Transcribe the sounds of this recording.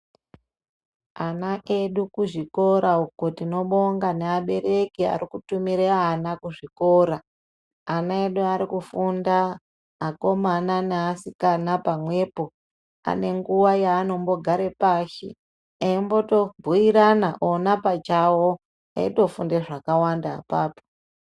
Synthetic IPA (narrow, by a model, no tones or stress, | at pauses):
anaʔe̞ɗukuʐiko̞ɾaukotino̞ɓo̞ŋɡaneaɓe̞ɾe̞kia̰ɾikutumiɾeːnakuʐiko̞ɾaː | nae̞ɗuaɾikufundaː | ko̞mananeasikanapamwe̞ːpo̞ | a̰ne̞ŋɡuwajaːno̞mbo̞ɡʱaɾe̞paːʃḭ | aimbo̞to̞bʱuiɾanaʔonapat͡ʃawo | a̰ito̞fundeʐakawanda̰ːpaːpo̥